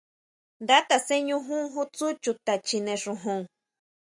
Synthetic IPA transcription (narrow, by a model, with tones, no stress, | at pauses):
d̪a˦t̪a˨se˦ɲũ˦ɦũ˦ŋɦu˦t͡su˦t͡ʃu˨t̪a˨t͡ʃi˧nẽ˨ʂu˧ɦũ˦˨ŋ